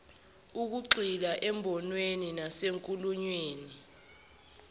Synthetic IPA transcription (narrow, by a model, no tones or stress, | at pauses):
uk̬uǃilaʔɛmbʱɔnweninaseŋkʼuluɲweːni